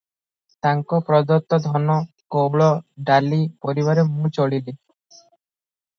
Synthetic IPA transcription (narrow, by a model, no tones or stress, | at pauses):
t̪aŋkɔpɾɔd̪ɔt̪ːɔd̪ʱɔnɔ | kowɭɔɖalipɔɾiβaɾemũt͡ʃɔɭile